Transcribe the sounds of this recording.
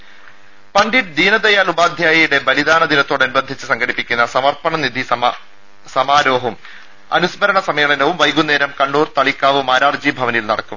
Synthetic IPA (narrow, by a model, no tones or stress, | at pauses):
pɐɳɖiʈd̪ʱiːnɐd̪ɐjaːlubaːd̪ʱjaːjɐjuɽe̞bɐlid̪aːnɐd̪inɐt̪ːo̞ːɽɐnubɐnd̪ʱit͡ɕːɨsɐŋɡʱɐɽipːikʲːunːɐsɐmɐrpɐɳɐnid̪ʱi | sɐmaːɾo̞ːɦɐm | ɐ̰nusmɐɾɐɳɐsɐmeːɭɐnɐʋumʋɐjɡunːeːɾɐmkɐɳːuːrt̪ɐɭikːaːʋumaːɾaːrd͡ʑiːbʱɐʋɐnilnɐɽɐkːum